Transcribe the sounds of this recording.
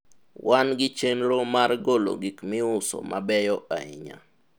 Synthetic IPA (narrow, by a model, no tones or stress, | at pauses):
wʔanɡɪt͡ʃenɾomaɾɡolo̰ɡikmɪʊso̰mabɛjɔʔa̰ɪ̰ɲa̰